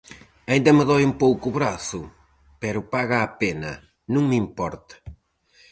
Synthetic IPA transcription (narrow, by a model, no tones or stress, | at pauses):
aĩnd̪ɐmɪðɔjumpowkuβɾaθʊ | pɛɾʊpaɣaːpenɐ̰ | nũŋmimpɔɾt̪ɐ̥